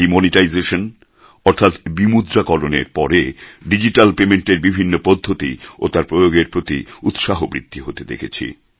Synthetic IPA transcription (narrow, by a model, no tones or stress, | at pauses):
imɔniʈajzeʃon | ɔɾt̪ʰat̪bimud̪ɾakɔlonḛɾpɔɾeɖid͡ʑiʈalpemeɳʈeɾbibʱinːopod̪ʱːot̪ḭo̰t̪aɾpɾojoɡeɾpɾot̪ḭut̪ʃaɦobɾḭt̪ʰːiɦot̪ed̪ḛkʰet͡ɕʰḭ